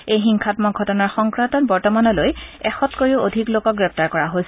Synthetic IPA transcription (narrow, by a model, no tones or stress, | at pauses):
ejxiŋkʰatmɔɡʱɔtɔnaɹxɔŋkɹantɔtbɔɹtɔmanɔlojɛxɔtkoɹiʊʔodʱiklokɔk̚ɡɹɛp̚taɹkɔɹaɦojsɛ